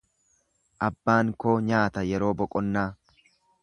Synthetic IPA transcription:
ʔɐbːaːŋkoːɲaːt̪ɐjɛɾo̞ːbɔkʼɔnːaː

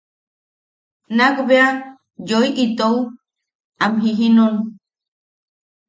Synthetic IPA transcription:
nakbea | joiʔit̪ow | amɦiɦinon

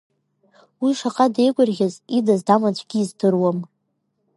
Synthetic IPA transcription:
wiʂaqʼadejɡʷʼʊrɣʲazidazdamat͡ɕʷʰʼɡʲiːzdʰɨrwam

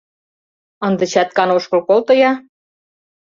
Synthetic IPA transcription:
ɤ̆nd̪ə̆t͡ɕɑt̪̚kɑnoʃkɤlkolt̪ɤ̆jɑ

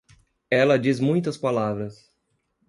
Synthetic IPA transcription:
ɛlɐd͡ʒizmũj̃t̪ɐspalavɾɐs

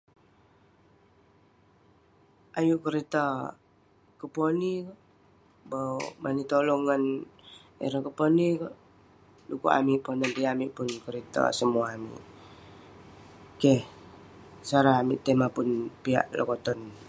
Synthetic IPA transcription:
ʔajuʔkəɾit̪a | kəponik | bomʔanit̪olɔŋːan | ɛ̰ɾɔkəponikɔʔ | lukṵʔa̰miʔpɔnant̪iamiʔpʊnkəɾit̪a̰səmuaːmḭʔ | kɛh | saɾaamiʔt̪emapunpia̰ʔlɔ̰kɔt̪ɔn

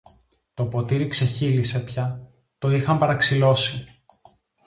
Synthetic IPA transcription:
t̪o̞po̞t̪iɾikse̞çilise̞pçɐ | t̪o̞ixɐmpɐɾɐksilo̞si

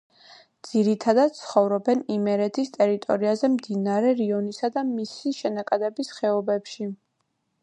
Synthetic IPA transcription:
d̪z̥iɾit̪ʰad̪ad̪̚t̪sʰχɔvɾɔbɛnimɛɾɛt̪ʰist̪ʼɛɾit̪ʼɔ̰ɾiazɛmd̪inaɾɛɾiɔnisad̪amisiʃɛnakʼad̪ɛbisχɛɔbɛpʃi

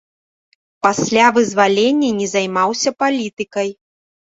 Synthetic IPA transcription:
pasʲlʲavɨzvalʲenʲːɐnʲɛzajmawsʲɐpalʲit̪ɨkɐj

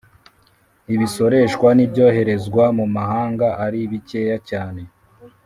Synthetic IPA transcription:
iβiso̞ɾe̞ʃkwanibɟo̞ːhe̞ɾe̞zɡwamumahaːŋɡaʔaɾiβice̞ːjacaːne̞

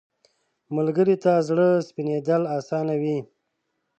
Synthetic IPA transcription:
məlɡəɾit̪azɽəspined̪əlɑːsɑːnawi

